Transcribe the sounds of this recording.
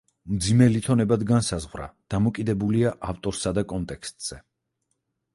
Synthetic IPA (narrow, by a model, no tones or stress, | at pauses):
md̪zimɛlit̪ʰɔnɛbad̪ɡansazʁwɾa̰d̪̥amɔkʼid̪ɛbuliaʔaft̪ʼɔɾsad̪akʼɔnt̪ʼɛkst̪ʼz̥ɛ